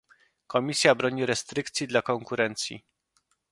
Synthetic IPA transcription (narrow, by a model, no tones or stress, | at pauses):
kɔmʲisʲjabɾɔɲiɾɛst̪ɾɘkt̪sʲjid̪lakɔŋkuɾɛnt̪sʲjḭ